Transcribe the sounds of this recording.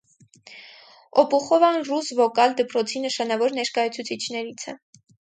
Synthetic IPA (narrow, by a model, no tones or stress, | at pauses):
ɔpʰuχɔvɑnrusvɔkɑld̪əpɾɔt͡sʰinəʃɑnɑvɔɾnɛɾkɑjɑt͡sʰut͡sʰit͡ʃʰnɛɾit͡sʰɛ̰